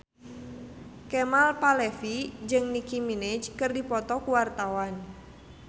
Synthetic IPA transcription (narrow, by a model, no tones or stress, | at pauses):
kɛmalpalɛfid͡ʒɨŋnikimined͡ʒkɨrdipɔt̪ɔkuwart̪awan